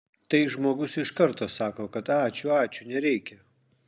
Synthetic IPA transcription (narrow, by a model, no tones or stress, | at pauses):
t̪ɐɪʒmoːɡʊsɪʃkɐɾt̪oːsɑːkoːkɐt̪ɑːt͡ʃʲʊɑːt͡ʃʲʊnʲɛɾʲɛɪkʲɛ